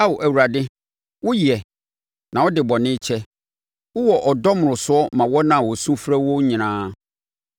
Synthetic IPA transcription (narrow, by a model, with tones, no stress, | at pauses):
a˦wʊ˨ʔæ˨wu˨ɾa˨dɪ˦ | wʊ˦ji˨ɛ˨ | nã˨wɔ˦dɪ˨bɔ˨nɪ̃˦t͡ɕʰɛ˦ | wʊ˦wɔ˨ʔɔ˨dɔ˦mʊ̃˨ɾʊ̃˨sʊ˦ɔ˦mã˨wɔ˦nã˨wɔ˨sũ˦fɾɛ˦wɔ˦ɲĩ˨nãː˦